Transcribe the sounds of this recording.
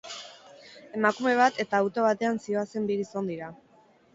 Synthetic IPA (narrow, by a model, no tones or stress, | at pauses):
e̞makume̞β̞at̪e̞t̪aːwt̪o̞β̞at̪e̞ansio̞ase̞mbiɣiso̞nd̪iɾa